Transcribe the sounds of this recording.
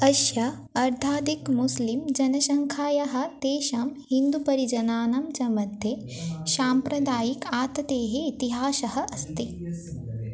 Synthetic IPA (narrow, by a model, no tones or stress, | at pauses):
ɐʃjɐ | ɐɾt̪ʰaːd̪ikmuslimd͡ʒɐnɐʃɐŋkʰaːjɐɦɐ̆t̪eːʃɐmhind̪upɐɾid͡ʒɐnaːnɐmt͡ʃɐmɐd̪ʱe | ʃaːmpɾɐd̪aːjikaːt̪ɐd̪eːɦeːt̪iɦaːʃɐɦɐ̆ʔɐst̪i